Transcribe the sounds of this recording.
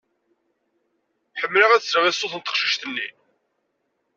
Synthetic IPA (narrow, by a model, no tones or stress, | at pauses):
ħəmːləʁæðsɾvæsːoθənt̪əqʃi̥ʃt̪ənːḭ